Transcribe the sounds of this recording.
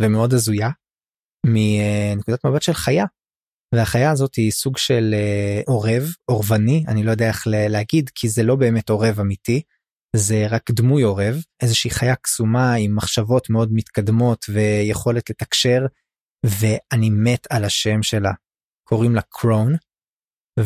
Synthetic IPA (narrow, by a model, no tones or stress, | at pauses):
vemeo̞d̪azuja | minekud̪atmabat̪ʃe̞lχaja | veaχajaːzo̞tisuɡʃe̞leʔo̞ʁe̞vo̞ʁvanianilo̞jo̞d̪eaeχleleaɡidkʰizelo̞be̞ːme̞to̞ʁe̞vamiti | ze̞ʁakd̪mujo̞ʁe̞vʔezeʃiiχajaksumaimːaχʃavo̞t̪me̞o̞d̪mit̪kad̪mo̞t̪ve̞jeχo̞le̞tle̞takʃe̞ʁ | ve̞animetʰalaʃe̞mʃe̞la | kʰo̞ʁimlakʰʁown